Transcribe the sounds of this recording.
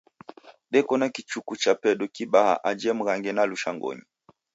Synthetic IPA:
ɗɛkɔnakit͡ʃukut͡ʃapɛɗɔkiɓaha̰ʔad͡ʒɛm̩ɣaŋɡɛnaluʃaŋɡɔ̰ɲi

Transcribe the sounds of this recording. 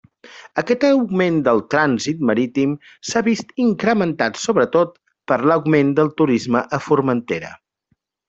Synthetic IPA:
əkɛt̪əwɡmend̪əlˠt̪ɾanzit̪məɾit̪im | saβist̪iŋkɾəmənt̪at̪soβɾət̪ot̪̚ | pəɾləwɡmend̪əlˠt̪uɾizməʔəfuɾmənt̪eɾə̰

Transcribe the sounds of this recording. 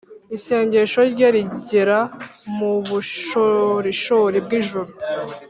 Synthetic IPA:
iseːɲɟe̞ʃo̞ɾɟaɾiɟeɾamuβuʃoɾiʃuɾibɡiʒuɾu

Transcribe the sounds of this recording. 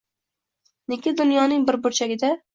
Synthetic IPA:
nekʲɪd̪ʊnjɒnɪŋbɪɾbʊɾt͡ʃʰaɡʲɪd̪a

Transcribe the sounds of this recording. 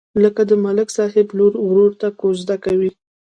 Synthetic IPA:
ləkad̪əmalɪksɑhɪbloɾwɾoɾt̪akozd̪akawi

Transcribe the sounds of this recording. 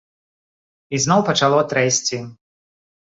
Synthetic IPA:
iznɔwpɐt͡ʃalˠɔt̪ɾɛsʲt͡sʲi

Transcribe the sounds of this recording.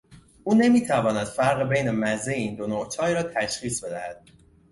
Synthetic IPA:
ʔuːne̞miːt̪ʰævɒːnæd̪̥fæɾɣebejne̞mæzeiːnd̪onoʔt͡ʃʰɒːjɾɒːt̪ʰæʃχiːsbe̞d̪æhæd̪̥̚

